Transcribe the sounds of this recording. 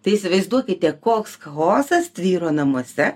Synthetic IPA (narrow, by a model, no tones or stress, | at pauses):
t̪ɐɪɪsʲɪʋɐɪzd̪uɔkʲɪt̪ʲɛkoːkskɐɣoːsɐst̪ʲʋʲiːɾoːnɐmuɔsʲɛ